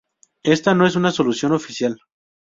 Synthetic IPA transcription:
e̞st̪anoe̞s̬unaso̞lusjo̞no̞fisjal

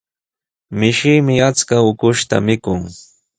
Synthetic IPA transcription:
mɪʃɪjmɪat͡skaʊkʊʃt̪a̰mɪkʊŋ

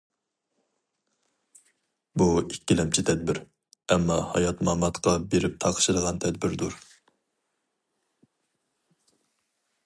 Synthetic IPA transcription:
buikʲːilɛmt͡ʃʰɪt̪ʰɛd̪̚bɪɾ | ɛmːɑhɑjɑt̪mɑmːɑt̪qʰɑbeɾɪp̚t̪ʰɑqʰə̥ʃɨd̪əʁɑnt̪ʰɛd̪bɪɾd̪uɾ

